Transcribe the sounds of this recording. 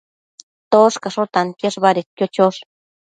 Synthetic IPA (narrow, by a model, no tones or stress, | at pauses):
t̪oʂkaʂot̪ant̪jeʂβaɾet̪̚kjot͡ʃoʂ